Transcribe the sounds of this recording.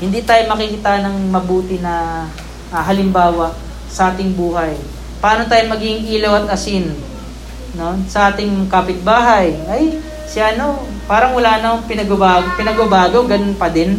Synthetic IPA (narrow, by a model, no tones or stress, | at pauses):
hɪnd̪it̪aːjomɐkɪkɪt̪aʔnɐŋmɐbuːt̪ɪnɐ | ʔɐɦɐlɪmbaːwɐʔ | sɐʔaːt̪ɪŋbuːhɐj | pɐaːnot̪aːjoŋmɐɡiɡɪŋʔiːlowɐt̪̚ʔɐsɪn | nonsɐʔaːt̪ɪŋkaːpɪt̪̚baːɦɐjʔɐj | sɪaʔɐno̞ | paːɾɐŋwɐlaːnɐpɪnɐɡɐbaːɡpɪnɐɡɐbaːɡoɡɐnonpɐd̪ɪn